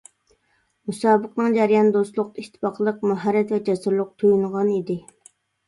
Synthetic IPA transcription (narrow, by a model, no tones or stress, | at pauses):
musɑːbəqnɨŋd͡ʒæɾijɑnd̪ost̪lˠʊqiʃt̪ʰɪ̥pɑqʰlˠəqmuɦɛɾːɛt̪vɛt͡ʃʰɛsɨɾlˠʊq̚t̪ʰujunʁɑnid̪ɪ